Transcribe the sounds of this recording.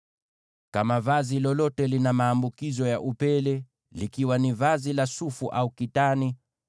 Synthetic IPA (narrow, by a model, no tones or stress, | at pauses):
kamavazilɔlɔtɛlinamaːmbukizɔjaʔupɛlɛ | likiwanivazilasufuʔaukitani